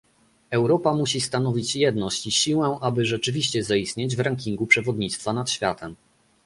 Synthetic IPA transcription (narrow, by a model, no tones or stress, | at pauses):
ɛwɾɔpamuɕist̪an̪ɔvʲit͡ɕjɛd̪nɔɕt͡ɕiɕiwɛʔabɘʐɛt͡ʂɘvʲiɕt͡ɕɛzaist̪ɲed͡ʑvɾaŋkʲiŋɡupʂɛvɔd̪ɲit̪st̪fanat̪ɕfʲjat̪ʰɛm